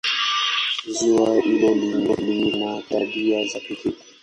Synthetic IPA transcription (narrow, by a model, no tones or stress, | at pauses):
ziwailɔlilɔ̰linataɗiazakikikḁ